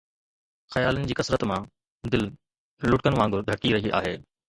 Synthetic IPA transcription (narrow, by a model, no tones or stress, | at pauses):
xɐjaːlənɪ̆d͡ʑiːkɐsɾət̪mã | d̪ɪl | lʊʈ̚kənʋãːŋɡʱʊɾɡʱɐʈiɾɐɦiʔa̰ːɦeː